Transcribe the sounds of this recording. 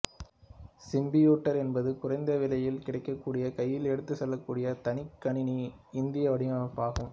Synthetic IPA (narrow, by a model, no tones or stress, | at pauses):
sɪmbɪjuːʈːɐɾɛnbɐðɯkʊrɐɪnd̪ɐʋɪlɐjɪlkɪɽɐɪkːɐkːuːɽɪjɐkɐjːɪlɛɽɯt̪ːɯsɛlːɐkːuːɽɪjɐt̪ɐnɪkːɐɳɪni | ɪnd̪ɪjɐʋɐɽɪmɐɐpaːɣɯm